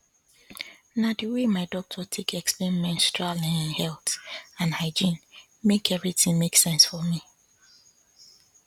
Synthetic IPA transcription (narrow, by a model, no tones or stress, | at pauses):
nadəwemaɪdɔk̚tʰɔtʰekʰɛkspɛɹimɛ̃ntstɹalɛ̃ñnhɛltãnhaɪd͡ʒĩn | mekɛvɹitĩŋmeksɛ̃nsfɔmi